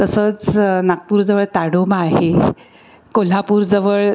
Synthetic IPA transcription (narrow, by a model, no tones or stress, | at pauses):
t̪əsəːt͡snak̚puːɾd͡zəʋəɭt̪aɽomaaɦe | kol̤apuːɾd͡zəʋəɭ